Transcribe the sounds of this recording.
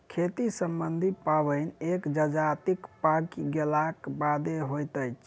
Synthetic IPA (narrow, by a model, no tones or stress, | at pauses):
kʰet̪isəmbənd̪ʱipabəjnekd͡ʒəd͡ʒat̪ikpakiɡelakbad̪eɦojt̪əjt͡ʃʰ